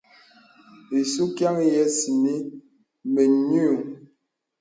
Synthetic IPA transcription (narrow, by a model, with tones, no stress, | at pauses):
e˨su˦kja˦ŋ˦jɛ˦si˨ni˦ | me˨ɲu˦˨